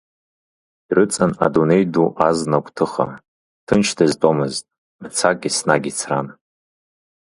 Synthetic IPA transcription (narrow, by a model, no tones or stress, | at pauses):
irɨt͡sʼana̰dune̞jduʔaznakʷʼtʰɨχa̰ | tʰɨnt͡ʃʰdɨztʼomɨztʼ | mt͡sʰakʼːisnaɡʲit͡sʰran